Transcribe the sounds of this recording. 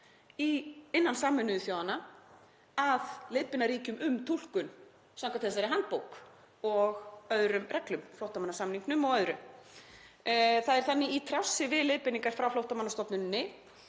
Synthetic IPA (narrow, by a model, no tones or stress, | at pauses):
iɪnːansaːmʏnʏðʏθjaːwðanːa | aðlɪðpɪnaɾiːcʏmʔʏmt̪ʰul̥kʏn | sawŋkat̪θɛs̬aɾɪɦant̪̚powk | ɔɣœðɾʏmrɛklʏmflowht̪amanːasamniŋknʏmɔɣœðɾʏ | θaðɛɾ̥θanːɪit̪ʰɾawsːɪvɪðlɪðpɪniŋkaɾ̥fɾawflowht̪amanːast̪ɔpnʏnːɪ